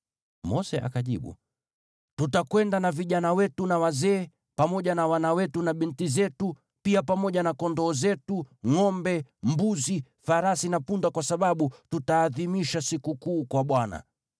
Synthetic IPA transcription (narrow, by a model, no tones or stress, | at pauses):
mɔsɛʔa̰kaʄḭɓṵ | tutakwɛndanaviʄanawɛtunawazɛː | pamɔʄanawanawɛtunaɓintizɛtu | piapamɔʄanakɔndɔːzɛtuŋɔmbɛm̩buzi | faɾasinapundakwasaɓaɓututaːðimiʃasikukuːkwaɓwana̰